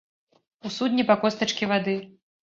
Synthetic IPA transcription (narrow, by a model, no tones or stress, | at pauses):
usud̪ʲnʲipakɔst̪ɐt͡ʂkʲivad̪ɨ